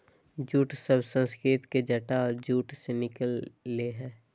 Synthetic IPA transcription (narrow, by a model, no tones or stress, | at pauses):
d͡ʒuːʈsəbsə̃nskɾɪt̪ked͡ʒəʈad͡ʒuːʈsenɪkəlːeɦɛː